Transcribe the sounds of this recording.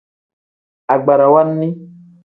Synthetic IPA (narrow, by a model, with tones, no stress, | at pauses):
a˨ɡ͡ba˨ɾa˨wa˦nːi˦